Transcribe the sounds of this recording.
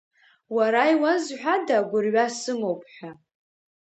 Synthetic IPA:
waɾaiwazħʷᶣadaɡʷʊrɥasɨmowpʰʼħʷᶣa

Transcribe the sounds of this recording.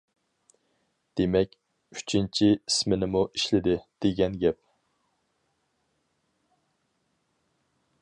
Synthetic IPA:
d̪̥emɛkʲ | y̥t͡ʃʰint͡ʃʰiismɪnɪmuʔiʃlɪd̪ɪd̪̥eɡʲɛnɡʲɛp̚

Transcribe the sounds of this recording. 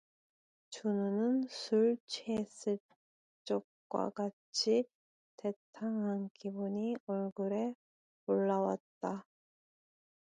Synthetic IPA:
t͡ɕunɯnɯnsʰuɭt͡ɕʰes͈ɯ | t͡ɕ͈ok̚k͈wa̰ka | t͡ɕʰi | te̞tʰaŋɦankibuɲiʌɭɡɯɾe̞ | oɭːawat̚t͈a

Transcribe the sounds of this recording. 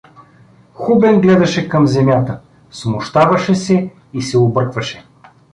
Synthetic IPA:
xubɛnɡlɛd̪ɐʃɛkɐmzɛmʲjat̪ə | smʊʃt̪avɐʃɛsɛ | isɛʊbɤɾkvɐʃɛ

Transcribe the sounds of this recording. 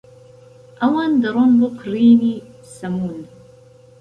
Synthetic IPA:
ʔawand̪ɨɾˤonbʊqɾiːni | samuːn

